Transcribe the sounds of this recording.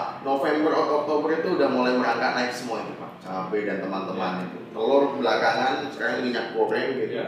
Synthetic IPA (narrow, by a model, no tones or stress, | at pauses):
nofɛmbərɔkɔk̚t̪obərit̪uːdahmolajməɾaŋkaʔ̚naɪksəmuait̪upa̰ʔt͡ʃabedant̪əmant̪əmanit̪ṵt̪əlɔrkəbəlakaŋant͡ʃəɾakaumiɲak̚pɾoblɛmɡit̪i